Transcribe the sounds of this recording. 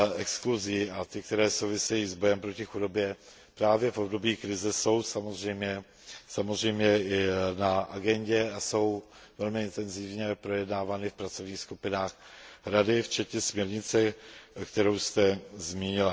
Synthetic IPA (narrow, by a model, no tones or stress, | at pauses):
ʔɛkskluziːat̪ɪkt̪ɛɾɛːso̞wvɪsɛjiːzbo̞jɛmpɾocɪxudo̞bjɛ | pɾaːvjɛfʔo̞bdo̞biːkɾɪzɛso̞wsamo̞zrɛjmɲɛ | samozrɛjmɲɛʔɪnaʔaɡɛɲɟɛaso̞w | vɛlmɪɪnt̪ɛnzɪvɲɛpɾo̞jɛdnaːvanɪfpɾat͡sovɲiːxskupɪnaːxɾadɪft͡ʃɛt̪ɲɛsmɲɛɾɲɪt͡sɛkt̪ɛɾowst̪ɛzmiːɲɪla